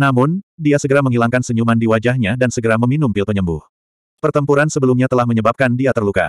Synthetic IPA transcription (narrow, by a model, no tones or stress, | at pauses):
namʊndiasəɡəɾaməŋɦilaŋkansəɲumandiwad͡ʒahɲadansəɡəɾaməminumpɪlpəɲəmbʊ̰h | pərt̪əmpuɾansəbəlumɲat̪əlahməɲəbap̚kandiat̪ərluka̰